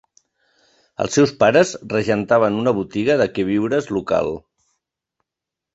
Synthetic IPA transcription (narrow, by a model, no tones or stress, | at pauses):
ə̰lˠsːɛwspaɾəzrəʒənt̪aβənunəβ̞ut̪iɣəðəkɛβ̞iwɾəzluka̰lˠ